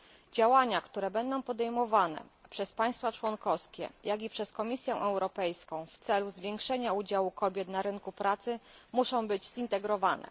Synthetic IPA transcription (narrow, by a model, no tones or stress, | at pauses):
d͡ʑawaɲakt̪uɾɛbɛnd̪ɔ̃w̃pɔd̪ɛjmɔvanɛ̰pʂɛspaj̃st̪fat͡ʂwɔŋkɔskʲɛ̰jaɡʲipʂɛskɔmʲisʲjɛʔɛwɾɔpɛjskɔ̃w̃ft̪sɛluzvʲjɛ̃ŋkʂɛɲaud͡ʑawukɔbʲjɛt̪naɾɘŋkupɾat̪sɘmuʂɔ̃w̃bɘd͡ʑzint̪ɛɡɾɔvanɛ̰